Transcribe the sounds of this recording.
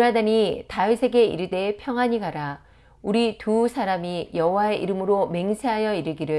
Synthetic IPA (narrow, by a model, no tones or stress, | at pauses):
ɾadaɲitaisʰe̞ɡe̞ḭɾɯde̞pʰjʌŋwaɲiɡaɾa | uɾitusʰaɾamijʌɦowae̞ʔiɾɯmɯɾome̞ŋsʰeɦajʌiɾɯɡiɾɯ